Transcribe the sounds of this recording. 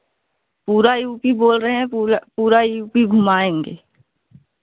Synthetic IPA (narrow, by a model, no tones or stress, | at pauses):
puːɾajuːpiboːlɾəɦɛ̃puːɾajuːpiɡʱʊmaːẽːŋɡḛː